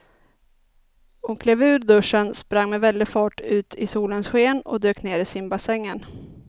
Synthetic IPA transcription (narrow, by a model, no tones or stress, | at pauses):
ɔmkʰleːvʉ̟ːɾd̪ɵʂːənspɾaŋːmɛvɛld̪ɪɡfɑːʈʉ̟ːt̪ʰɪsuːlənsɧeːnɔ̰d̪øːkneːɾɪsɪmbasɛŋːən